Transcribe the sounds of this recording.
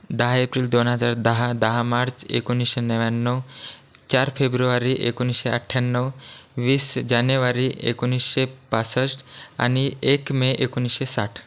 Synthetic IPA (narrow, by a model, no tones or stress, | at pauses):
d̪aɦaepɾild̪onɦəd͡ʒaɾd̪aɦad̪aɦamaɾt͡ʃḛkuniseneʋanːɔw | t͡ʃaɾpʰebɾuaɾiʔḛkuniseəʈʰːjanːɔwʋisd͡ʒanjeʋaɾiḛkunisʃepasəsa̰niekmeʔekunisesaʈʰ